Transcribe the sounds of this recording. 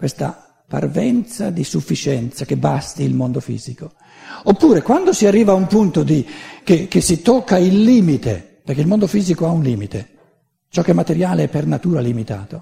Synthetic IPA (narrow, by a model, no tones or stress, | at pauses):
kwest̪a̰ | pa̰rvɛnt̪sad̪isufːit͡ʃɛnt̪sak̟ebast̪iːlmond̪ofḭːziko | opːuːɾekwand̪osiarːiːvaːumpunt̪od̪ik̟ek̟esːit̪okːailːiːmit̪ḛ | peɾrk̟eilmond̪ofiːzikoaunliːmit̪e | t͡ʃɔkːemːat̪eɾjaːleɛpːernat̪uːɾalimit̪a̰ːt̪o